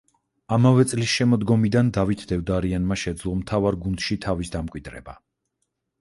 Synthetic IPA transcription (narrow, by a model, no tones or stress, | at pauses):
amavɛt̪sʼlisʃɛmɔd̪ɡɔmid̪and̪avit̪ʰd̪ɛvd̪aɾianmaʃɛd̪zlˠɔmt̪ʰavaɾɡund̪̥ʃit̪ʰavisd̪amkʼwid̪ɾɛ̰ba